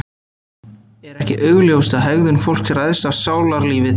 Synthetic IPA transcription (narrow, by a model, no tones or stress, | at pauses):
ɛɾɛhcɪʔœɥɣljoːwst̪aðɦœɣðʏnfowl̥ksɛɾajðsavsaːwlaɾliːvɪ